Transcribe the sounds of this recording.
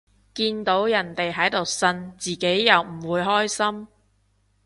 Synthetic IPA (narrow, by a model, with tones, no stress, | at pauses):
kiː˧nt̪o˨˥wjɐ˨˩nt̪e˨jɦɐ˨˥jt̪o˨wsɐ˧nt͡siː˨ke˨˥jːɐ˨wm̩˨˩wuː˨˧jɦɔː˥jsɐ˥m